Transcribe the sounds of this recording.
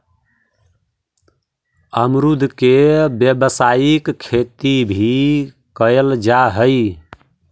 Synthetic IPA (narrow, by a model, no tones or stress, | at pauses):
əmɾud̪ʱkebjəbsajikkʰːet̪ibʱi | kəjld͡ʒaɦəj